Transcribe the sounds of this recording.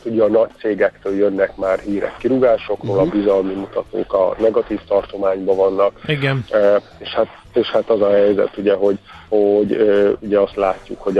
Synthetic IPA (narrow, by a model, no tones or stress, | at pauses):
t̪uɟɛːnɒct̪seːɡɛkt̪øːljønːɛkmaːrɦiːɾɛ̰kːiɾuɡaːʃo̞kroːlɒbizɒlmimut̪ɒt̪o̰ːkɒ̰nɛɡɒt̪iːft̪ɒrt̪o̞maːɲbɒvɒnːɒkiɡn | eːʃhat̪ | eːʃhat̪ɒzɒɦɛjzɛ̰t̪uɟɛɦo̞ɟ | hoɟøuɟɛɒst̪laːcːukho̞ɟ